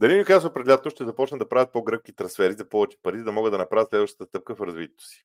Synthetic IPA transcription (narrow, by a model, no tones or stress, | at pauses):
d̪ɐlinikazʊpɾɛd̪ɛlʲat̪̚t̪oʃt̪ɛzɐpɔt͡ʃnəd̪ɐpɾavət̪̚poɡɾɤkk̟it̪ɾɐ̃nsfɛɾizɐpɔvɛt͡ʃi̥pɐɾizɐd̪ɐmɔɡəd̪ɐnɐpɾavət̪slɛd̪vəʃt̪ə̥t̪əst̪ɤp̚kəfɾɐzvit̪ʲɛt̪o̥si̥